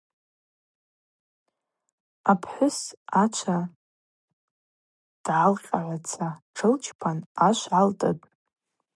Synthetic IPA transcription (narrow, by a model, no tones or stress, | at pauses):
apʰħʷᶣʊsat͡ʃʷʰa | d̥ʕaːlqʲʼaʕʷat͡sʰaʈ͡ʂʰɨlt͡ʃʰpʰanaʃʷʕaltʼɨtʼ